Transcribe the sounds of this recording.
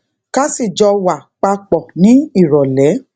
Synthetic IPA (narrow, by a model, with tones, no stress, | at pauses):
ka˦si˦˨d͡ʒɔ˧wa˨k͡pa˧k͡pɔ˨nĩ˨˦i˦˨ɾɔ˨lɛ˨˦